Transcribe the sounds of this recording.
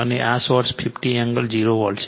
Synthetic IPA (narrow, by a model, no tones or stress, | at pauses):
əneʔasʋɔɾspʰipʈiɛŋɡəld͡ʒiɾoʋɔlt͡ʃʰ